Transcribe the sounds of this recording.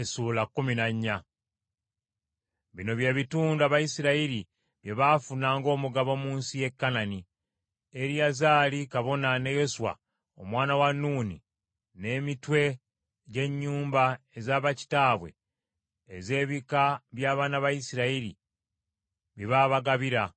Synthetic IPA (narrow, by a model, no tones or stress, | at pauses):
esuːlakːuminaɲːa | βino̞βje̞ːβituːnduaβajisiɾaiɾi | βjeβafunaːŋɡo̞ːmuɡaβo̞muːnsije̞kːanani | eɾjazaːlikaβo̞nane̞jo̞suwa̰ | o̰mwaːnawanːuːnḭ | ne̞mitwe̞ | ɟe̞ɲːuːmbae̞zaːβaci̥taːβwe̞̰ː | ze̞ːβikaβjaːβaːnaβajisiɾaiɾḭ | βiβaːβaɡaβiɾa